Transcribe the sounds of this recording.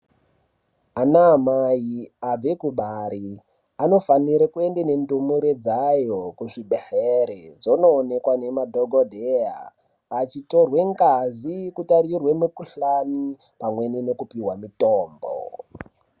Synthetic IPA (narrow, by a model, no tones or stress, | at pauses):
anamaiab͡vekuɓaɾi | ano̞faniɾekue̞ndene̞ndumuɾed͡zajokuʐiɓeheɾed͡zo̞no̞ːne̞kwane̞madʱoɡʱodʱea̰ | at͡ʃito̞rwe̞ŋkazikutarirwemukuɬani | pamwe̞nino̞kupiwamitoːmbo̰